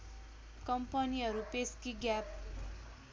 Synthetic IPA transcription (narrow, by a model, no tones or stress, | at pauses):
kʌmpʌniɦʌɾupeskiɡjap̚